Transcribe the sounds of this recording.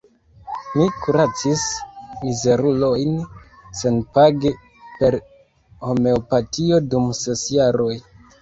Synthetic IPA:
mikuɾat͡sismize̞ɾulo̞jn | senpaɡe | pe̞ɾ | o̞me̞opatio̞dumse̞sjaɾo̞j

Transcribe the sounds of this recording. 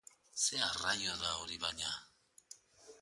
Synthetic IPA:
searajoðaoɾiβaɲa

